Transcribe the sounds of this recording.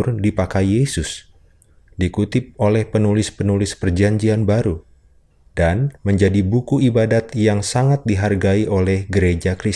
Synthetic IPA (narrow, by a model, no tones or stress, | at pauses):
rdipakajjesʊs | dikut̪ɪp̚olɛhpənulɪspənulɪspərd͡ʒaɲd͡ʒianbaɾu | d̥anməɲd͡ʒadibukuibadat̪jaŋsaŋat̪̚diɦarɡaiʔolɛhɡəɾed͡ʒakɾis